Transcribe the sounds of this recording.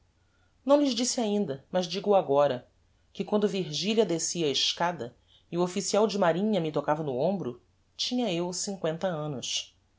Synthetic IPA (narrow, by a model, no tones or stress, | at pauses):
nɐ̃w̃lɪʒd͡ʒisiaĩnd̪ɐmɐzd͡ʒiɡuaɡɔɾɐ | kɪkwɐ̃nd̪ʊviɾʒiliɐd̪esiɐeʃkad̪ɐ | iuofisiawd͡ʒɪmaɾĩɲɐmɪt̪okavɐnʊõmbɾʊ | t͡ʃĩɲɐewsĩŋkwẽnt̪ɐɐ̃nʊʃ